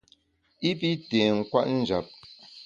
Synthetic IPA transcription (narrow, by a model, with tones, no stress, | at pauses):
i˦p̬i˦te˨ŋ̩˨kwa̰˦ʔn̩˦˨d͡ʒa˨p̚